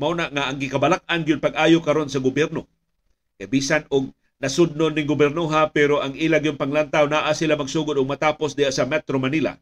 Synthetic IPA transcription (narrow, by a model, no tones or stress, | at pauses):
maunaʔŋaʔaŋɡɪkabalak̚ʔanɡɪʊd̪̚paɡ̚ʔaːjokɐɾo̞nsɐɡʊbjɛɾno | kajbiːsanʊɡ̚ | nɐsʊd̪̚nonːɪŋɡʊbɛɾnoɦapɛɾoʔaŋʔiːlaɡijʊnpaŋlant̪awnaʔasilamɐɡsuːɡʊd̪ʊɡ̚mɐt̪aːposd̪ɪhasamɛt̪ɾomanila̰